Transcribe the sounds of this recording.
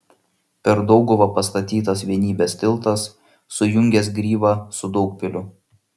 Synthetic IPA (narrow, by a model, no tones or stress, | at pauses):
pʲɛɾd̪ɔʊɡʊʋɐpɐst̪ɐt̪ʲiːt̪ɐsʋʲiɛnʲiːbʲeːst̪ʲɪlˠt̪ɐsː | ʊjʊŋʲɡʲɛsɡɾʲiːʋɑːsʊd̪ɒʊk̚pʲɪlʲʊ